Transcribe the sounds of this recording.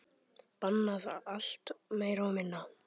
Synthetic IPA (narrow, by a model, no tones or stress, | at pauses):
panːaða̰al̥t̪meːjɾomɪnːa